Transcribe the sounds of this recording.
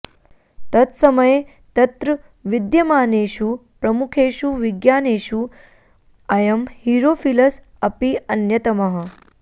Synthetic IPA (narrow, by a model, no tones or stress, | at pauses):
t̪ɐt̪sɐmɐje | t̪ɐt̪ɾɐ | ʋid̪jɐmaːneːʃupɾɐmukʰeːʃuʋiɡjaːneːʃu | ɐjɐmhiɾoːfilɐs | ɐpiɐnjɐt̪ɐmɐɦɐ̆